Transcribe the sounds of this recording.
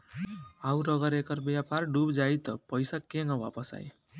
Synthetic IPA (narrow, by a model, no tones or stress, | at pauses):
auɾʌɡʌɾekʌɾbjaparɖubd͡ʒajt̪ʌpʌjsakeŋʌba̰pʌsa̰j